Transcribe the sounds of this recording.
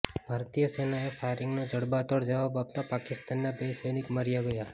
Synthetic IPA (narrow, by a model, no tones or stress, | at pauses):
b̥ʱaɾt̪ijəsenaefʰajɾɪŋɡnod͡ʒəɽbat̪oɽd͡ʒəʋabap̚t̪apakɪst̪anːabesəjnɪkməɾjaɡəja